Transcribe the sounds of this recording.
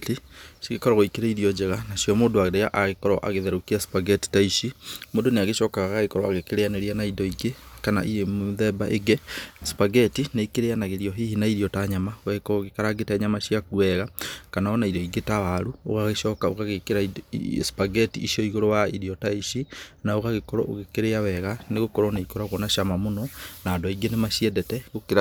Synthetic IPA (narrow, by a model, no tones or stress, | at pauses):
tiʃiɣekɔɾɔɣoikeɾaiɾiɔd͡ʒɛɣanaʃjɔmoːndoaɣdeaʔaɣekɔɾɔʔa̰ɣeðɛɾokiaspaɡɛti̥taiʃimoːdoneaɣeʃɔkaɣaɣaɣekɔɾɔaɣekeɾeaneɾianaidɔiɡekana̰ʔiɾemoðɛbaʔeɡɛspaɡɛtineikeɾeanaɣeɾiɔɦihinaiɾiɔtaɲamaɣɛkɔɣekaɾaɡetɛɲamaʃjakuɛɣakanaɔnaidɔiɡetawaɾuo̰ɣaɣeʃɔːkao̰ɣaɣekeɾaspaɡɛtiːʃiɔiɣoɾɔwaiɾiɔtaiʃinaoɣaɣekɔɾɔʔo̰ɣekeɾeawɛɣaneɣokɔɾɔnaikɔɾaɣɔnaʃamamonɔnaːdoaiɡenemaʃiɛdɛtɛɣokeɾa